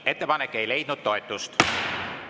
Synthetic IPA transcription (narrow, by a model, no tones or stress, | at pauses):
e̞t̪ːe̞pɑnekːˑe̞jle̞jd̪̚nud̪̥̚t̪ːo̞et̪ːˑust̪